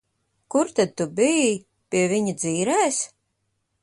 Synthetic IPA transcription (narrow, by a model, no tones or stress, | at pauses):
kuɾt̪ad̪̚t̪ubiji | pʲiɛviɲid̪ziːɾɛːs